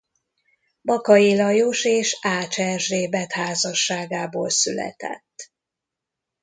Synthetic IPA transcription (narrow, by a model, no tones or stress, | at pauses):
bɒkɒilɒjoʃeːʃaːt͡ʃɛʒreːbɛt̪haːzɒʃːaːɡaːboːlsylɛ̰t̪ɛ̰t̪ː